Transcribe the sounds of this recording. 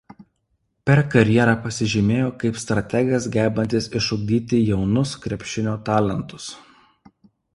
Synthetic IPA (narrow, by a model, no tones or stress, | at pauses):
pʲɛɾkɐɾʲjɛɾɑpɐsʲɪʒʲɪmʲeːjoːkɐɪpst̪ɾɐt̪ʲɛɡʲɛsɡʲæːbɐnʲt̪ʲɪsɪʃʊɡ̚ʲd̪ʲiːt̪ʲɪjɛʊnʊskɾʲɛpʲʃʲɪnʲoːt̪ɑːlʲɛnˑt̪ʊ̥s